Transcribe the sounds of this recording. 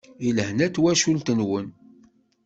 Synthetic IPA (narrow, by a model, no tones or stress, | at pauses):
ilhnæt̪ːwæʃult̪ənwən